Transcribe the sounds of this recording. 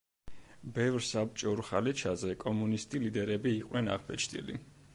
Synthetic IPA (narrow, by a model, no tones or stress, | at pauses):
bɛvɾsapt͡ʃʼɔɾχalɛt͡ʃʰazɛkʼɔmunist̪ʼilid̪ɛɾɛbiːqʼwnɛna̰ʁbɛt͡ʃʰd̪ʼḭlḭ